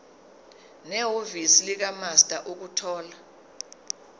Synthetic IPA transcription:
nɛɦovisilik̬amastʼaʔuk̬utʰɔːla

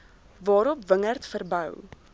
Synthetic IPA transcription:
vɑːɾɔpvəŋərtfərbœw

